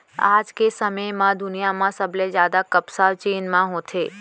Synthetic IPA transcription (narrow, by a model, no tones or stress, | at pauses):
a̰d͡ʒkesəməjmãd̪ʊnijamãsəbled͡ʒjad̪akəpsaʋt͡ʃeːnmãɦõt̪ʰe